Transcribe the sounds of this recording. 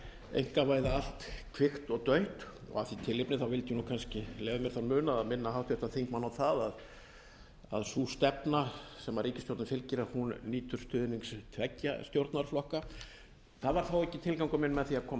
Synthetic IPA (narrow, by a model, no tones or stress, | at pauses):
ḛjŋ̥kavaːjðaal̥t̪kʰvɪxt̪ɔɣt̪œɥht̪ɔ̰ɣa̰θit̪ʰɪlɪpnɪθawvɪlt̪ɪjunuwkʰanscɪlɛːvʏmjɛɾ̥θanmʏːnaaðmɪnːaɦawt̪jɛht̪aθejŋkmanawθaðað | a̰ðsuːst̪ɛpnasɛmvaɾːiːcɪst̪jowɾt̪nafɪlcɪɾahunniːt̪ʏɾ̥st̪ʏːðɪniŋkst̪ʰvɛcːa̰st̪jowɾt̪naɾ̥flɔhka | θaðvaɾ̥θawɛhcːɪt̪ʰɪlkawŋkɔmɪnmɛðθiakʰɔːm